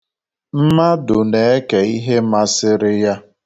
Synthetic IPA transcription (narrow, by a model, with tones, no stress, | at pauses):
m̩˦ma˦dʊ˨ne˨e˦ke˨i˦ɦe˦ma˦sɪ˦ɾɪ˦ja˦